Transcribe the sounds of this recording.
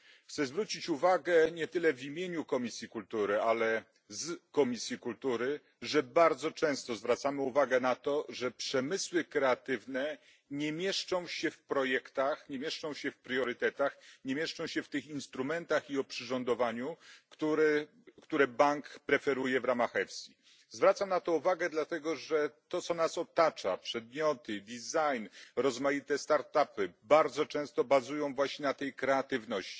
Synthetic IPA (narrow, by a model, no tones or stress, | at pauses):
xt̪sɛzvɾut͡ɕit͡ɕuvaɡɛɲɛt̪ɘlɛvʲimʲjeɲukɔmʲisʲjikult̪uɾɘalɛ | zkɔmʲisʲjikult̪uɾɘ | ʐɛbaɾd̪zɔt͡ʂɛ̃w̃st̪ɔzvɾat̪samɘuvaɡɛnat̪ɔʐɛpʂɛmɘswɘkɾɛat̪ɘvnɛ | ɲɛmʲjɛʂt͡ʂɔ̃w̃ɕɛfpɾɔjɛkt̪axɲemʲjɛʂt͡ʂɔ̃w̃ɕɛfpɾjɔɾɘt̪ɛt̪axɲɛmʲjɛʂt͡ʂɔ̃w̃ɕɛft̪ɘxinst̪ɾumɛnt̪axiɔpʂɘʐɔnd̪ɔvaɲukt̪uɾɛ | kt̪uɾɛbaŋkpɾɛfɛɾujɛvɾamaxɛfsʲi | zvɾat̪samnat̪ɔuvaɡɛd̪lat̪ɛɡɔʐɛt̪ɔt̪sɔnasɔt̪at͡ʂa̰pʂɛd̪̚mʲjɔt̪ɘd̪ʲizajnɾɔzmajit̪ɛst̪aɾt̪apɘbaɾd̪zɔt͡ʂɛ̃w̃st̪ɔbazujɔ̃w̃vwaɕɲɛnat̪ɛjkɾɛat̪ɘvnɔɕt͡ɕi̥